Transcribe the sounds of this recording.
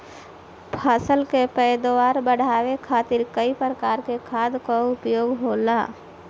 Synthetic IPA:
pʰaːsəlkepɛjd̪waːɾbəɽ̤aːwekʰaːt̪ɪɾkəipɾɾəkaːɾkekʰaːd̪koʊpjoːɡɦoːla̰ː

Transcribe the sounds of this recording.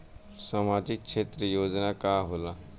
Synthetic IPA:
saːmaːd͡ʒɪk̚ʃʰeːt̪ɾəjoːd͡ʒnakaːɦola

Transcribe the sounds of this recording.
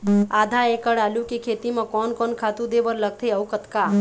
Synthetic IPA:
ad̪ʱaekəɽalukekʰet̪imekɔnkɔnkʰat̪ud̪ebəɾləɡ̚t̪ʰeəwkət̪ka

